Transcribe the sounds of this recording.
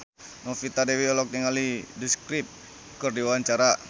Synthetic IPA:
nɔfit̪adɛwiɔlɔk̚niŋalidiskɾip̚ | kərdiwawaɲt͡ʃaɾa

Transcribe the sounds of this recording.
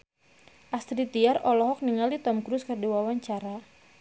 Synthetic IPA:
ʔast̪ɾit̪iarɔlɔɦɔk̚niŋalit̪ɔmkɾuskɨrdiwawaɲt͡ʃaɾa

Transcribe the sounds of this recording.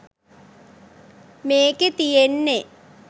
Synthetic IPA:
meːket̪ijenːe

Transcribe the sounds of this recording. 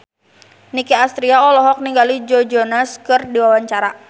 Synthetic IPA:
nikiast̪ɾiaɔlɔɦɔk̚niŋɡalid͡ʒɔd͡ʒɔnaskɨrdiwawaɲt͡ʃaɾa

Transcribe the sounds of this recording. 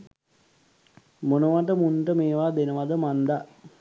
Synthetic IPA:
monəʋaʈəmunʈəmeːʋaːd̪enəʋad̪əmand̪a

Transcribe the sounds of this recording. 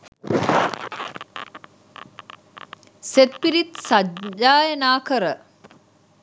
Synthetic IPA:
set̪̚piɾit̪sad͡ʒaːjenaːkəɾə

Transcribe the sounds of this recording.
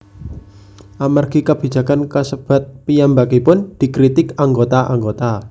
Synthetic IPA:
ʔamarɡ̥ikab̥i̤̥d͡ʒ̥a̤kankəsəb̥a̤t̪̚pijambakipʊnd̪̥ikɾit̪ɪkaŋɡot̪aʔa̰ŋɡot̪a

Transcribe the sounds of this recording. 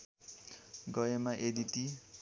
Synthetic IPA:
ɡɔɛmaʔediti

